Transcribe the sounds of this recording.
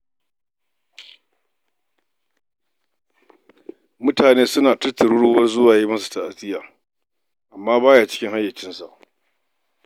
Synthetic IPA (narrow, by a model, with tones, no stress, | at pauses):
mʊ˦taː˨neː˦sʊ˦naː˨tɐ˦rtɐ˨ɽʊ˦ɽʊ˦wɐ˦rzʊ˦waː˨je˦mɐ˦su̥˨ta˨ʔa˨sɪ˦jaː˨ | ʔa˨mːaː˦baː˦jaː˨t͡ʃɪ̥˦kʲɪ˦ŋha˦jːɐ˨t͡ʃɪ˦nsa̰˨ʔ